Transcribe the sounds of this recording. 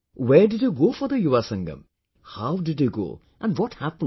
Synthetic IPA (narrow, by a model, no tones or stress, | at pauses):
wedid̪juɡofʌd̪əjuwasʌ̃ŋɡʌ̰m | hawdidjuɡo̰ | ɛ̃nwʌthæpə̃n